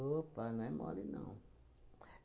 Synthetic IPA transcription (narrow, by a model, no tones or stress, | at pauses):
opanãɛmɔ̰linã̰w̃